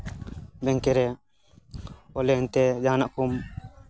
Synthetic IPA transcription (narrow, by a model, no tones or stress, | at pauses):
bɛŋkɛɾɛ | ɔlɛnt̪ɛd͡ʒaːnaʔkum